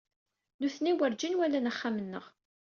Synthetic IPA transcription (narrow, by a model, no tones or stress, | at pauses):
nuθniwəɾd͡ʒinwælːænəχːamənːə̰ʁ